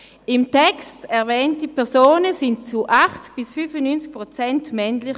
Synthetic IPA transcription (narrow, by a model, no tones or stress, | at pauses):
ɪmtɛkstɛʁvɛːntipʰɛʁsoːnəsɪndt͡suʔaχt͡sk̚b̥isfyfənynt͡sk̚pʁot͡sɛntmɛnlɪχ